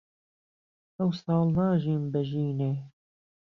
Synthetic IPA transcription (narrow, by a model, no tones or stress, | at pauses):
ɐwsɑːlˠnɑːʒiːnbɛʒiːneː